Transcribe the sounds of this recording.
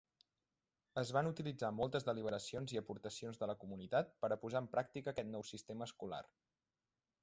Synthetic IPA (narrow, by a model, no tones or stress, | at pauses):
əzβanut̪ilid͡zamɔlˠt̪əzðəliβ̞əɾəsionziəpuɾt̪əsionzðələkumunit̪at̪̚pəɾəpuzaəmpɾʔak̚t̪ikəːkɛt̪nɔwsist̪eməːskula̰r